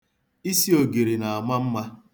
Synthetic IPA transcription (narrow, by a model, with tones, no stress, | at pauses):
i˦si˦o˨ɡe˨ɾe˨na˨a˨ma˦m̩˦ma˦